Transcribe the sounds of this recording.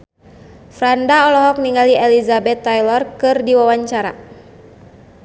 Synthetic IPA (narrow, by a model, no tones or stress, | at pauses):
fɾandaɔlɔɦɔk̚niŋɡaliɛlizabɛt̪ːajlɔrkɨrdiwawaɲt͡ʃaɾa̰